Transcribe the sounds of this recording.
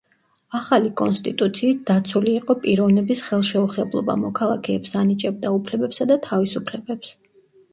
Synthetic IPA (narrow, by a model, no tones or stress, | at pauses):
aχalikʼɔnst̪ʼit̪ʼut̪sʰiːt̪̚d̪̥at̪sʰuliːqʼɔpʼiɾɔvnɛbisχɛlˠʃɛuχɛblˠɔ̰ba̰mɔkʰalˠakʰɛːpsanit͡ʃʼɛb̚d̪aupʰlɛbɛpsad̪at̪ʰavisupʰlɛbɛps